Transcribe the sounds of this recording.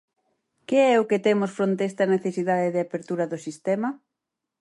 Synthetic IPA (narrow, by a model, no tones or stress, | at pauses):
keɛʊket̪emʊsfɾont̪eɛst̪ɐneθesiðaðeðɪapeɾt̪uɾɐðʊsist̪ɛmɐ